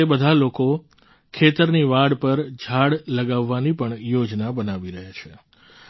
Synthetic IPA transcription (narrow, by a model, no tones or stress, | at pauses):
ebəd̪ʱaloko | kʰet̪əɾniʋaɽpəɾd͡ʒʱaɽləɡaʋːanipəɳjod͡ʒnabənaʋiɾəɦat͡ʃʰe